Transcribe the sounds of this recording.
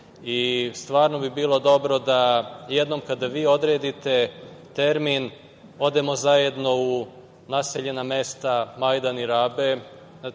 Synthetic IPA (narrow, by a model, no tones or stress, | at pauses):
ist̪ʋaːɾno̞bibiːlˠo̞d̪o̞bɾo̞d̪aje̞d̪no̞mkad̪aʋiːo̞d̪ɾeːd̪it̪e̞t̪e̞ɾmin | o̞d̪e̞mo̞zaje̞d̪no̞u | naseʎe̞name̞st̪amajd̪aniɾaːbe̞